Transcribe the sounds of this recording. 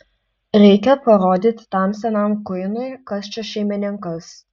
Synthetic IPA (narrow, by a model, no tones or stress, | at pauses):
ɾʲɛɪkʲɛpɐɾoːd̪ʲit̪ʲt̪ɑˑmsʲɛnɐmkʊɪnʊɪkɐsʲt͡ʃʲoʃʲɛɪmʲɪnʲɪŋkɐs